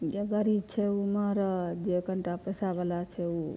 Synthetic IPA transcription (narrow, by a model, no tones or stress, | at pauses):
d͡ʒeɡəɾib̚t͡ʃʰeuməɾd͡ʒekəɳʈapəsabəlat͡ʃʰeu